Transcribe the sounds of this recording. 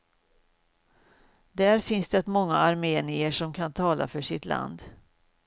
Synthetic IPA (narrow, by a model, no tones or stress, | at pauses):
d̪æːɾfɪnsd̪ɛɛt̪mɔŋːaːɾmeːnɪəʂɔmkʰant̪ʰɑːla̰fœʂɪt̪la̰nd̪